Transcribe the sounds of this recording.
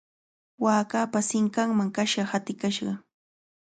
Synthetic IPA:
waːkapasɪŋkaŋmaŋkaʃɑhat̪ɪkaʃɢɑ

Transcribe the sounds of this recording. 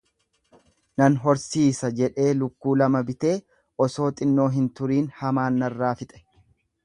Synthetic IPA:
nɐnɦɔɾsiːsɐd͡ʒɛᶑe̞ːlʊkːuːlɐmɐbɪt̪e̞ː | ʔɔso̞ːt̪ʼɪnːo̞ːɦɪnt̪ʊɾiːnhɐmaːnːɐrːaːfɪt̪ʼɛ̥

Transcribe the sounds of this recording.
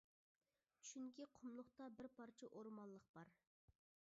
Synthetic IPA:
t͡ʃʰy̥ʃyŋɡʲiqʰʊmlˠʊχt̪ɑbɪɾpɑɾt͡ʃʰiʔoɾmɑnlˠəq̚b̥ɑɾ

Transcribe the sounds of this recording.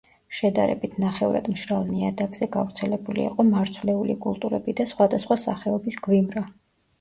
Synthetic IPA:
ʃɛd̪aɾɛ̰bit̪ʰnaχɛuɾa̰d̪mʃɾalˠniad̪aɡz̥ɛɡavɾt̪sʰɛlɛbulḭiqʼɔmaɾt̪sʰvlɛulḭkʼulˠt̪ʼuɾɛ̰bid̪asχwad̪asχwasa̰χɛɔbisɡwimɾa

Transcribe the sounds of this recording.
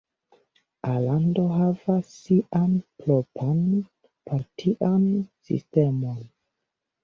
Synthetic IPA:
alando̞ɦavasːiʔanplopʰan | paɾtʰiʔansḭste̞mon

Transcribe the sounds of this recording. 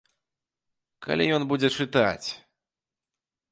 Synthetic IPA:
kʰa̰lʲijɔnbud͡zʲɛt͡ʂɨt̪a̰t͡sʲ

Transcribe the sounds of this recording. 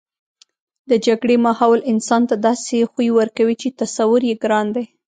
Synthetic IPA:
d̪əd͡ʒaɡɽemɑhɑwlɪnsɑnt̪ad̪ɑsexujiwəɾkawit͡ʃet̪asawʊɾjeɡɾɑnd̪ej

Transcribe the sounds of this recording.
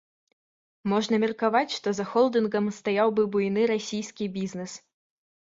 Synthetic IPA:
mɔʐnɐmʲɛrkavat͡sʲʂt̪ɔzɐxɔlˠd̪ɨnɡɐmst̪ajawbɨbujnɨɾasʲijskʲibʲiznɛs

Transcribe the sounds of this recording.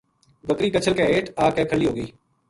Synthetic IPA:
bəkɾiːkət͡ʃʰəlkɛ̃ːeːʈaːkɛ̃ːkʰəliːɦoːɡəiː

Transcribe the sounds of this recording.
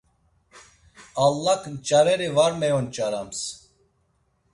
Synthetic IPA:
alːakʰnt͡ʃʼaɾɛɾivaɾmɛjɔnt͡ʃʼaɾams

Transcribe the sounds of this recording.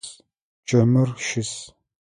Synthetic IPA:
s | t͡ʃʼɐmɨrʃɪs

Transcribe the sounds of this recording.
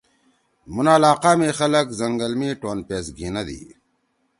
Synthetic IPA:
munaːlaːqaːmẽːxɐlɐkzɐŋɡɐlmiːʈoːnpeːsɡʱinɐd̪ḭː

